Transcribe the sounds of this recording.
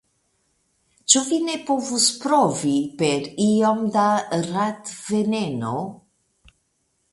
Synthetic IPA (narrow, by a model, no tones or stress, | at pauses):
t͡ʃovinepovuspɾovipeɾiɔmd̪arat̪veneno